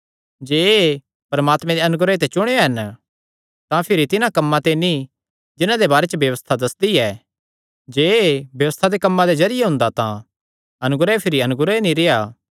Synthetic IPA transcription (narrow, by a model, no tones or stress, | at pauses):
d͡ʒeːe | pɐɾmaːt̪mɛ̃d̪eɐnʊɡɾet̪et͡ʃʊɽ̃eaɦɐn | t̪ãpʰɪɾit̪ɪnãkɐmːãt̪eni | d͡ʒɪnãd̪ebaːɾet͡ʃəbjɐʋəst̪ʰad̪ɐsd̪iɛː | d͡ʒeːebjɐʋəst̪ʰad̪ekɐmːãd̪ed͡ʒɐɾɪjeɦʊ̃nd̪at̪ã | ɐnʊɡɾaepʰɪɾiɐnʊɡɾenĩɾeaː